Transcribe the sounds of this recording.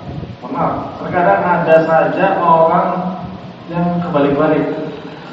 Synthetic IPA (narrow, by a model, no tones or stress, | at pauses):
pənat̪ərkadaŋadasad͡ʒamaaoɾaŋ | jaŋkəbalɪkəbalɪk̚